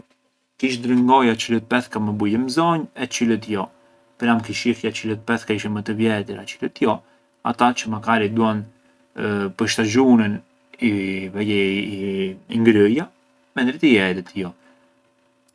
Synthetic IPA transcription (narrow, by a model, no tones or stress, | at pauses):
kiʃd̪ɾəŋɡɔjat͡ʃələt̪̚pɛθkaməbujəmzɔɲɛt͡ʃilət̪̬jɔ | pɾamkiʃifjat͡ʃilət̪̚pɛθkaiʃɛmət̪əvjɛt̪̬əɾat͡ʃilət̪jɔ | a̰t̪at͡ʃəmakaɾid̪uan | pəʃt̪aʒunən | ivɛjɛ | iŋɡɾəja | mɛnd̪ɾɛt̪ijɛt̪ɛt̪jɔ